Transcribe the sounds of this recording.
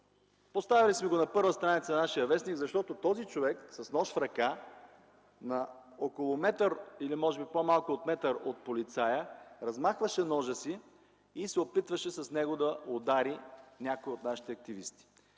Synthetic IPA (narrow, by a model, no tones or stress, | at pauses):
post̪avilismɛɡonɐpɤɾvəst̪ɾanit̪sɐnɐnaʃijəvɛsniɡzɐʃt̪ɔt̪ot̪ɔzit͡ʃovɛksɐsnɔʃfɾɐka | nɐ | okolˠomɛt̪əɾilimɔʒɛbipomalˠkʊːt̪mɛt̪əɾot̪̚polit̪sajəɾɐzmaxvəʃɛnɔʒəsi | isɛopit̪vəʃɛsɐsnɛɡod̪ɐod̪aɾinʲakoiot̪naʃi̥t̪ɛɐk̚t̪ivḭst̪i̥